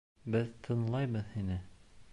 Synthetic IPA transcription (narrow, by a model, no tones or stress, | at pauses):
bɘðt̪ʰɤ̆nlˠɑjβɤðhinɘ